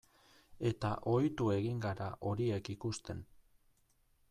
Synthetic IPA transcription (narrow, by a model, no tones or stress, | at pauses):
e̞t̪aʔo̞jt̪ue̞ɣiŋɡaɾaʔo̞ɾie̞kikust̪e̞n